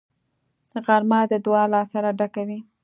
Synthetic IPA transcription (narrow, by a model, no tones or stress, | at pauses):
ɣaɾmɑd̪əd̪wɑlɑsaɾaɖakawi